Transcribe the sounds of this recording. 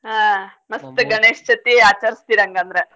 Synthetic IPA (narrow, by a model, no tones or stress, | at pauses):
ɦamɐst̪uɡɐɳeːʃt͡ʃɐt̪iaːt͡ʃɐɾst̪iːɾɐŋɡɐnd̪ɐɾe